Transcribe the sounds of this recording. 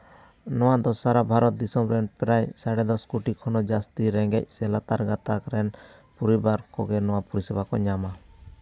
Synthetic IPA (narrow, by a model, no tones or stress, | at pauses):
nɔwad̪ɔsaɾabʱaɾɔt̪̚d̪isɔmɾɛnpɛɾajsaɽɛd̪ɔskuʈikʰɔnɔd͡ʒast̪iɾɛŋɡɛ̰c̚ˀsɛlat̪aɾɡat̪akɾɛn | pɔɾibaɾkɔ̰ɡɛnɔwapuɾisɛbakɔɲama